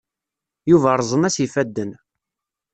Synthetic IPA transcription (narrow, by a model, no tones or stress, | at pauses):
juvæɾˤzˤənæsifæd̪ːən